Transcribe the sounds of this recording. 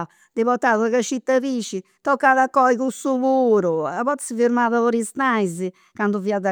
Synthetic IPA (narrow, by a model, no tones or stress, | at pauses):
d̪ɪβɔt̪aðuɐɣɐʃit̪ɐβiʃɪ | t̪ɔkaðɐkɔjɣusuβuɾuɐβɔt̪sɪviɾmaðɐoɾist̪ajzɪ | kãnd̪uviaðɐ